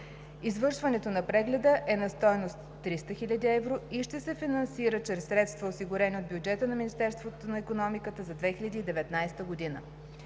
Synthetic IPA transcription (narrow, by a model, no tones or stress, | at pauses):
izvɤɾʃvɐnɛt̪onɐpɾɛɡlɛd̪əʔɛnɐst̪ɔjnost̪ːɾist̪əxilʲɐd̪iɛvɾoiʃt̪ɛsɛfinɐnsiɾət͡ʃɾɛsːɾɛt̪st̪vɐosiɡʊɾɛnʲiod̪̚bʲjud͡ʒɛt̪ənɐminist̪ɛɾst̪vot̪onɐikonɔmikət̪əzɐd̪vɛxilʲɐd̪iːd̪ɛvɛt̪najst̪əɡod̪inə̰